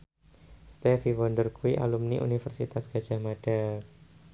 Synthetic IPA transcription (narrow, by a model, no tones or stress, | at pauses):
st̪ɛfiwɔndərkuiʔa̰lumniʔṵnifərsit̪asɡ̥a̤d̥ʒ̥amad̥a